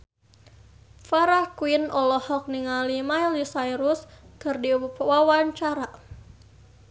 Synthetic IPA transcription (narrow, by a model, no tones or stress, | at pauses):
faɾakwinɔlɔhɔk̚niŋalimaildisajɾuskərdiupwawaɲt͡ʃaɾa